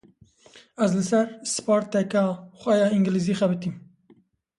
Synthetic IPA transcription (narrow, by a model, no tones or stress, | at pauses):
æzlɨsɛɾspɑːɾt̪ːɛkɑːxʷɛjɑːiŋɡliziːxɛbɨt̪im